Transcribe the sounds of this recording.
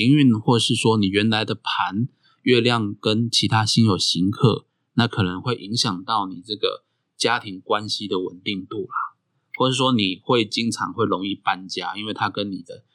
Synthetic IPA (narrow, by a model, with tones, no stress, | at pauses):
i˧˥ŋy˥˧nxwɔ˥˧ʂɻ̩˥˩swɔ˦˥ni˨˩ɥɛ˨˧˥nla˧˦ɪd̪ə˨pʰa˧˦n | ɥɛ˥˧ljɑ˥˩ŋkə˦nt͡ɕʰi˧˥t̪ʰa˥ɕi˥njo˨˩ʊɕi˧˥ŋkʰɤ̰˥˩ | na˥˩kʰɤ˨˩nə˧˦ŋxwe˥˩ɪʔi˧˦˥ŋɕjɑ˨˩ŋt̪ɑ˥˩ʊni˨˩t͡sɤ˥˩ɡə̰˩ | t͡ɕja˦˥t̪ʰi˧˥ŋkwa˦nɕi˧˦d̪ə˨wə̰˨˩nt̪i˥˧ŋt̪u˥˩la˨˩ | wɔ˥˧ʂ̩˥˩ʂwɔ˥ni˨˩xwe˥˩ɪt͡ɕi˦˥ŋʈ͡ʂʰɑ̰˧˥ŋxwe˥˩ɪlo˧˥ŋi˥˩pa˦nt͡ɕja̰˥i˥˦nwe˥˩ɪt̪ʰa˥kə˦nːi˨˩d̪ə˦